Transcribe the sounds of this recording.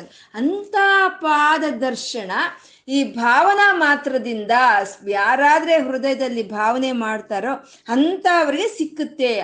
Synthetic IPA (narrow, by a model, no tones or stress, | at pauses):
ɐnt̪apaːd̪ɐd̪ɐɾʃɐɳɐ | iːbʱaːʋɐnɐmaːt̪ɾɐd̪ind̪ɐjaːɾaːd̪ɐɾe̞ɦɾud̪ɐjɐd̪ɐlːibʱaːʋɐne̞maːɖt̪aːɾoː | ɐnt̪ɐʋɐɾiɡe̞sikːut̪ːe̞